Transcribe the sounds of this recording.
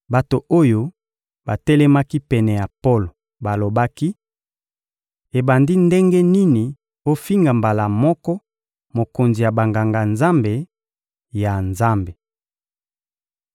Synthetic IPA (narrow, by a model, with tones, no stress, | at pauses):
ba˨to˨o˦jo˦ | ba˨tɛ˦lɛ˦ma˦ki˦pɛ˨nɛ˨ja˨po˦lo˨ | ba˨lo˨ba˦ki˦ | e˨ba˨ndi˦nde˦ŋɡe˦ni˦ni˨ | o˦fi˦ŋɡa˨mba˨la˨mɔ˦kɔ˦ | mo˨ko˨nzi˨ja˨ba˨ŋɡa˨ŋɡa˨nza˦mbe˨ | ja˨nza˦mbe˨